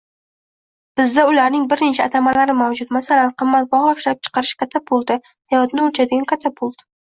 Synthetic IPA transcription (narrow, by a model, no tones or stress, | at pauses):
b̥ɪzd̪aʊlaɾnɪŋbɪɾnet͡ʃʰaat̪ʰamalaɾɪmawd͡ʒʊt̪masalanqʰɨmːat̪̚bɒhɒɪʃlap̚t͡ʃʰɨ̥qɑɾɪʃkʰʲat̪ʰːapʰʊlˠd̪ɪ | hajɒt̪nɪolt͡ʃʰad̪ɪɡʲankʲʰat̪ʰːapʰʊlˠd̪̥ɪ